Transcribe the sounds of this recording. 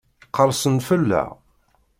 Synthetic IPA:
qəɾˤsənfəlːæ̰

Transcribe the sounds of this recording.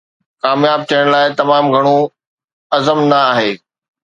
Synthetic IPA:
kaːmjaːb̚t̪ʰijəɽ̃laːɪt̪ɐmaːmɡʱɐɽ̃o | ɐzəmnɐaːɦeː

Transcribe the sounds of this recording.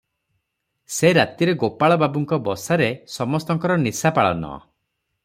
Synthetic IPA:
seɾat̪iɾeɡopaɭɔbabuŋkɔbɔsaɾesɔmɔst̪ɔŋkɔɾɔnisapaɭɔ̰nɔ̰

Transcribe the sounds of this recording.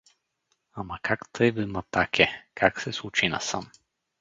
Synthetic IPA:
amɐkʰakt̪ʰəjvəmat̪akʰʲɛkʰaksɛsˠut͡ʃina̰sa̰m

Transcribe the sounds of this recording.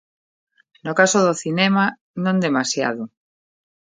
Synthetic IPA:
nʊkasoðoθinɛma | nõnd̪emasja̰ðo

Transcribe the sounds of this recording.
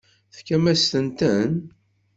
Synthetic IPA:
θkːæmæst̪ənt̪ən

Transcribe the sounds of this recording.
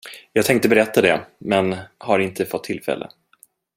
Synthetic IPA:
jɑːɡt̪ʰɛŋk̚t̪əbɛɾɛt̪ːad̪ɛmɛnhaɾɪnt̪ʰəfɔt̪ʰːɪlfɛ̰lʔə̰

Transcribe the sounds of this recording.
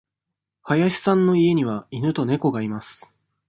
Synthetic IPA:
hajaɕi̥sãnːo̞ie̞ɲ̟iβainɯ̟t̪o̞ne̞ko̞ɡaimasɨ̥

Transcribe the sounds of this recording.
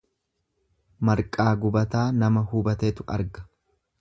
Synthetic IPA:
mɐɾkʼaːɡʊbɐt̪aːnɐmɐhubɐt̪eːt̪ʊʔɐ̰ɾɡɐ̥

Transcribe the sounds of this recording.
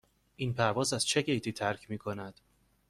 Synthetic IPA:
ʔiːnpʰæɾvɒːzæz̥t͡ʃʰe̞ɟe̞jt̪ʰiːt̪ʰæɾcʰmiːkʰo̞næd̪̥

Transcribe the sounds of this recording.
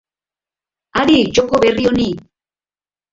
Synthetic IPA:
aɾid͡ʒokoβerioni

